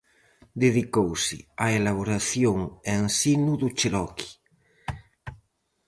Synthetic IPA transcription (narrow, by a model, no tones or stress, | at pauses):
d̪eðikowsɪaelaβ̞oɾaθjoŋensinuðut͡ʃelɔki̥